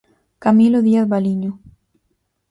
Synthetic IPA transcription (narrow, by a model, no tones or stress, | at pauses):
kamiloðiaθβaliɲo